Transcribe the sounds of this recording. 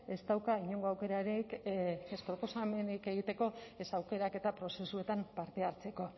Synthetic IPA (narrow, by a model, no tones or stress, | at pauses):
e̞st̪awkaiɲoŋɡo̞awke̞ɾaɾikespɾo̞po̞same̞nike̞ɣit̪e̞ko̞esawke̞ɾake̞t̪apɾo̞se̞sue̞t̪ampaɾt̪e̞aɾt͡se̞ko̞